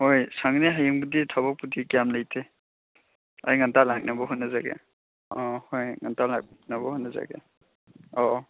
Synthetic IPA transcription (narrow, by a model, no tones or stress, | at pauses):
hojsaŋneɦajɯmɡuditʰɔbɔk̚putʰikijamlajtʰe | ajŋantalak̚nabɔɦunaza̰ɡḛ | ɔhojŋantalak̚nabɔhujnaza̰ɡḛ | ɔ